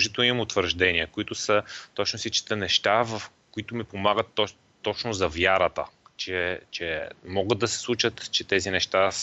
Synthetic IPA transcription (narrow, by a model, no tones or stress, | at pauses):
ʒit̪ɛlˠnimuːt̪vəɾʒd̪ɛniəkoit̪ʊsət̪ɔt͡ʃnʊsit͡ʃi̥t̪ənɛʃt̪avɐf | kʊit̪ʊmipomaɡət̪ː | ɔt͡ʃnʊzɐvjaɾət̪ə̰t͡ʃɛt͡ʃɛmɔɡəd̪ːɐsɛ̥slˠut͡ʃət̪t͡ʃɛt̪ɛzinɛʃt̪as